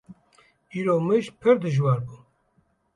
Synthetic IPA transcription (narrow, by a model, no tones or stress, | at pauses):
iːɾoːmɨʒpʰɨɾd̪ɨʒwɑːɾbuː